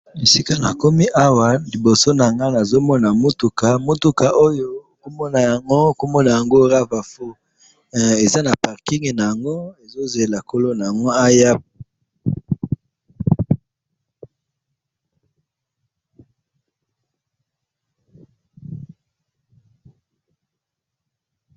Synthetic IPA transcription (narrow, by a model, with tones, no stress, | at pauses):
e˨si˦ka˦na̰˨ko˦mi˦ʔa˦wa˨li˨bo˨so˦na˨a˨ŋɡa˦na˨zo˦mɔ˦na˨mo˦tu˨ka˨mo˦tu˦ka˨ʔo˦jo˦˨ko˦mɔ˦na˨ja˨ŋɡo˦˨ko˦mɔ˦na˨ja˨ŋɡo˦ʁa˦va˨fo˦˨ | e˨za˦na˨pa˨ʁki˦ŋe˨na˨ja˨ŋɡo˦e˨zo˦ze˨la˨ko˦lo˦na˨ja˨ŋɡo˦a˦ja˦p̚